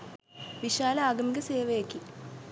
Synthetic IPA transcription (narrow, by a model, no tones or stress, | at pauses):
ʋiɕaːlɐaːɡɐmɡɐseːʋɐjekːi